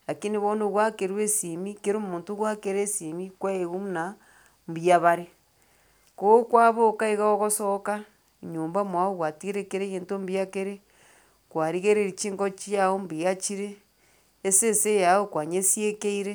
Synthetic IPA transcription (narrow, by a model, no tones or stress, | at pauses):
akiniβonoɣwakeɾwesimikeɾomuːntoɣwakeɾesimikwaeɣumna | mbjaβaɾe | kokwaβokaeɣaoɣosoka | ɲoːmbamwaoɣwatiɾekeɾeɣeːntombiakeɾe | kwaɾiɣeɾeɾit͡ʃiːŋɡot͡ʃijaombijat͡ʃiɾeː | sesejaokwaɲesjekeiɾe